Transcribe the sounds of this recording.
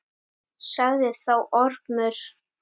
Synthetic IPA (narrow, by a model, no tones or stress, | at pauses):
saɣðɪθawʔɔɾpnʏɾ̥